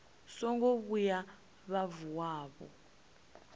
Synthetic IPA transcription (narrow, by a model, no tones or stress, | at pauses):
sɔŋɡoβuja | βavuwaːβɔ̰